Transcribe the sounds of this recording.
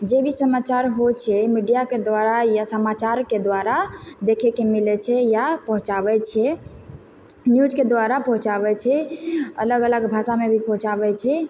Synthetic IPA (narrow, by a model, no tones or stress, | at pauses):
d͡ʒebʱisəmat͡ʃaɾɦot͡ʃʰɛmiɖijaked̪ʋaɾajasəmat͡ʃaɾked̪waɾad̪ekʰekemilɛt͡ʃʰɛjapəɦũt͡ʃabɛt͡ʃʰɛ | njud͡ʒked̪waɾapəɦũt͡ʃaβɛt͡ʃʰɛə̰ləɡələɡbʱasamebʱipə̃ɦũt͡ʃabɛt͡ʃʰɛ